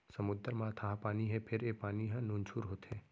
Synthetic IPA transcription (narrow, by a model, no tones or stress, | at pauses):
sɐmʊd̪əɾmãt̪ʰaɦãpaːniɦɛpʰɪɾeːpaːniɦãnũːnt͡ʃʰuːɾɦoːt̪ɦɛː